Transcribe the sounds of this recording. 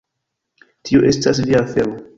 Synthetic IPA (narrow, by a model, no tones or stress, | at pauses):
tʰioʔe̞stas̬liafelo